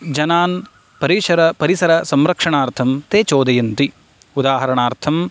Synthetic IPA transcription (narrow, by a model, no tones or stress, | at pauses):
d͡ʒɐnaːn | pɐɾiːʂɐɾɐpɐɾisɐɾɐsɐmɾɐkʂɐɳaːɾt̪ʰɐmt̪eːt͡ʃoːd̪ɐjɐnt̪i | ud̪aːɦɐɾɐɳaːɾt̪ʰɐm